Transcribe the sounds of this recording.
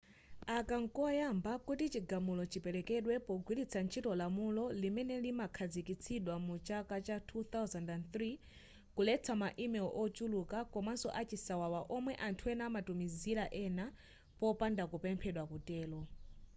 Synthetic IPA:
akaŋ̩kɔjambakutit͡ʃiɡamulɔt͡ʃipɛɾɛkɛɗwɛpɔɡwilit͡sʰant͡ʃʰitɔlamulɔlimɛnɛlimakʰad͡zikit͡sʰiɗwamut͡ʃakat͡ʃatʰuθawzandanθɾi | kulɛt͡sʰamaʔimɛɔʔɔt͡ʃulukakɔmansɔ̰ʔat͡ʃisawawaʔɔmwɛʔantʰuɛnamatumiziɾaʔɛna | pɔpandakupɛmpʰɛɗwakutɛːlɔ

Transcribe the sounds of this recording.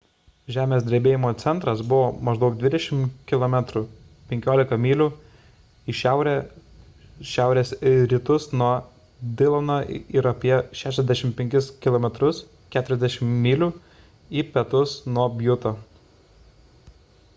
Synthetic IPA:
ʒʲæːmʲeːsd̪ʲɾʲeːbʲeːjɪmoːt̪sʲɛnt̪ɾɐsbʊʋoːmɐʒd̪ɐʊk̚d̪ʋʲɪd̪ʲɛʃʲɪmkʲɪlˠɔmʲæt̪ɾu | pʲɛŋʲkʲoːlʲɪkɐmʲiːlʲu | iʃʲæʊɾʲɛ | ʃʲæˑʊɾʲeːsɾʲɪt̪ʊsnuɔ | d̪ʲɪlˠonoːɪɾɐpʲiɛʃʲæːʃ̬ʲɛzʲd̪ʲæʃʲɪmpʲɛŋʲkʲɪskʲɪlˠɔːmʲɛt̪ɾʊs | kʲæːt̪ʊɾʲɛzʲd̪ʲɛʃʲɪmmʲiːlʲuː | iːpʲɛt̪ʊsnuɔbʲjʊt̪oː

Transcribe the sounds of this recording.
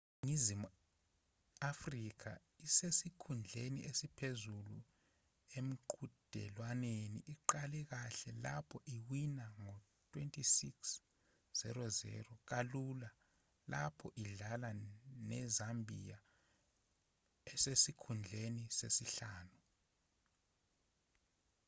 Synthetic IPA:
ŋizimu | afrik̬ʰa̰ | isesikʰund͡ɮʱeniʔesipʰezulu | em̩ǃud̥ʱɛ̰lwanenḭʔiǃalɛk̬aɬɛlapʰɔʔiwinaŋo | tʰwentʼisiks | z̥ɛ̰ɾɔzɛ̰ːrɔk̬alula | lapʰɔʔiɮalanɛzambʱija | ɛsesikʰund͡ɮʱenisesiɬaːnu

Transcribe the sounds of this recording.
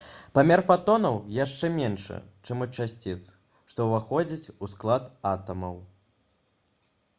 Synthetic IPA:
pamʲɛrfat̪ɔnɐwjaʂt͡ʂɛmʲɛnʂɐ̰t͡ʂɛmɐt͡ʂasʲt͡sʲit̪s | ʂt̪ɔvaxɔd͡zʲit͡sʲusklˠat̪at̪ɐmɐw

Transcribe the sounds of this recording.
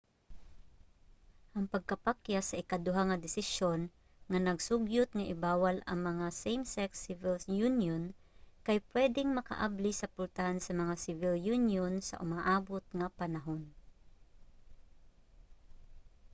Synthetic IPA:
ʔɐŋpɐɡ̚kɐpakjasɐʔɪkad̪ʊɦaŋɐd̪ɪsɪʃon | ŋɐnɐɡsʊɡjʊt̪̚ŋɐʔɪbaːwalɐ̰ŋmɐŋasejmsɛksɪvɪljunjon | kajpwɛːd̪ɪŋmɐka̰ʔa̰blisɐpʊlt̪ahansɐmɐŋasɪvɪljunjonsɐ̰ʔʊmaʔaːbʊt̪̚ŋapɐnɐɦon

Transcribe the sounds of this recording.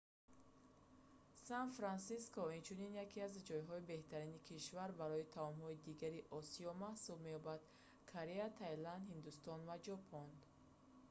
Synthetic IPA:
sanfɾansiskɔint͡ʃʰuninjakʰiazd͡ʒɔjɦɔibe̞ht̪ʰaɾinikʰiʃvaɾbaɾɔit̪ʰaɔmhɔid̪iɡaɾiʔɔsiɔmahsubme̞jɔbad̪̥ | kʰoɾeat̪ʰajland̪hind̪ust̪ɔnvad͡ʒɔpʰɔn

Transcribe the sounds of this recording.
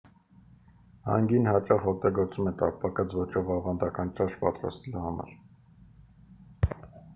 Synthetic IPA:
hɑ̰ŋɡinhɑt͡ʃɑχɔk̚t̪ɑɡɔɾt͡sumɛt̪ɑ̰k̚pʰɑkɑt͡svɔt͡ʃʰɔvɑvɑnd̪ɑkɑnt͡ʃɑʃpɑ̰t̪ɾɑ̰st̪ɛluhɑmɑ̰ɾ

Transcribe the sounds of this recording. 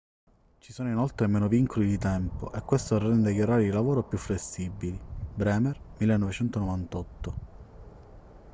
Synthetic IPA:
t͡ʃisoːnoinolt̪ɾemeːnoviŋkʰolid̪it̪ɛmpo̰ʔekwest̪orːɛnd̪ekjoɾaːɾiilavoːɾopjufːlesːibːilibɾɛːmermilːenːɔvet͡ʃɛnt̪onovant̪ɔt̪ːo

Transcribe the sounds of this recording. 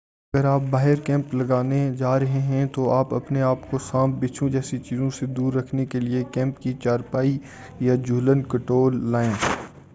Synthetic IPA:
ɐɡəɾaːp̚baːɦɪɾkɛ̃ːmplɐɡaːned͡ʒaːɾɐɦeɦɛ̃t̪oaːpɐpneaːpkosãːmbɪt͡ʃʰũd͡ʒɛːsit͡ʃiːzõsed̪uːɾːɐkʰnekeliekɛ̃ːmpkit͡ʃaːɾpaːi | jad͡ʒuːlənkɐʈoːlːaːẽː

